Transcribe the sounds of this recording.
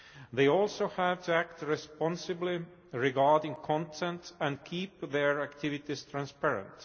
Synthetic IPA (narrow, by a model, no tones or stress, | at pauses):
ðeɪɔlˠsoʊhævtʰuæk̚tɹɛspɔ̃nsɨbli | ɹɪɡɑɹdɪ̃ŋkʰɔ̃ntʰɛ̃ntæ̃ndkʰiːpðɛɹækt̪ʰɪvɪtɪst̪ʰɹæ̃nspɛɹə̰̃nt